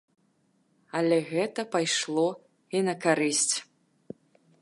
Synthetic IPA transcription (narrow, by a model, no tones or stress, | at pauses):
ɐlʲɛɣɛt̪ɐpajʂlˠɔ | inɐkaɾɨsʲt͡sʲ